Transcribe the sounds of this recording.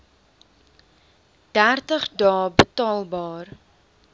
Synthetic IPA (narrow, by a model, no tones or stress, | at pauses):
d̥ærtəχdɑːbətɑːlˠbɑːr